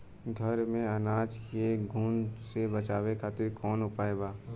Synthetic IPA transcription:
ɡʱɐɾmẽɐnaːd͡ʒkeɡʱuːnsebɐt͡ʃaːwekʰaːt̪ɪɾkɔːnɦʊpaːeɡaː

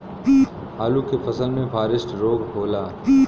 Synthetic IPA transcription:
ɦaːlukefʰɐsəlmẽfʰaːɾɪsʈɾoːɡboːlaː

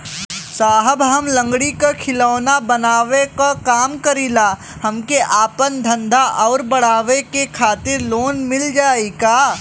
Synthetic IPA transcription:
saːɦəbɦɐmlə̃ŋɡɽikakʰɪlaːnabɐnaːʋekakaːmkɐɾiːlaː | hɐmkeʔaːpənd̪ʱɐ̃nd̪ʱaʔɔːɾbɐɽaːʋekekʰaːt̪ɪɾloːnmɪld͡ʒaːikaː

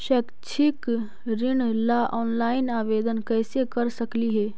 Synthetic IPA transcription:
ʃɛːkt͡ʃʰɪk | ɾɪɳlaʔɔːnlaːɪnaːʋeːd̪ənkɛːsekɐɾsɐkliɦɛː

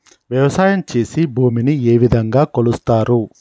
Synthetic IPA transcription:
ʋjɐʋɐsaːjɐmt͡ʃe̞ːsibʱuːminieːʋid̪ʱɐŋɡaːkolust̪aːɾu

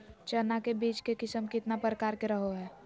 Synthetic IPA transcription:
t͡ʃənakebiːt͡ʃkekɪsəmkɪt̪napɾəkaːɾkeɾəɦoɦɛː

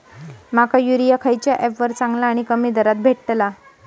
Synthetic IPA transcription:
makajuɾijakʰajt͡ɕjaʔefʋəɾt͡saŋɡlaːɽ̃ikəmiːd̪ʱəɾat̪̚bʱeʈʈla

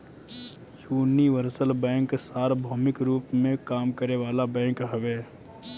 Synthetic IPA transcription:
juːniʋəɾsəlbɛ̃ːŋksaːɾbʱoːmɪkɾuːpmẽkaːmkəɾeʋaːlabɛ̃ːŋkɦɐʋeː

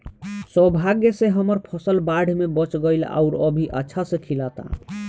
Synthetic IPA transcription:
səbʱaɡeseɦəməɾpʰəsəlbaɖ̤ʱmebət͡ʃɡəɪla̰ʊɾəbʱiʔə̰tːʃʰasẽkʰilat̪a̰

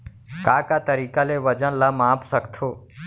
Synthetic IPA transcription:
kaːkaːt̪əɾiːkaːleːʋəd͡ʒənlaːmãːpsəkt̪ʰoː

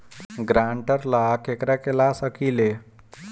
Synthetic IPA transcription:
ɡɾaɳʈəɾlakekɾakelasəkile

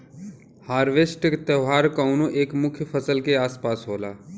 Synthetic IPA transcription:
haːɾʋesʈkt̪əɦaːɾkɐʊnõʔeːkmʊkʰjəpʰəsəlkeaːspaːsɦoːlaː

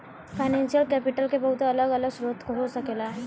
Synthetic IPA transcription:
fajnɛ̃nsijəlkɛpiʈəlkebəɦut̪aːləɡələɡsɾot̪koɦosəkela

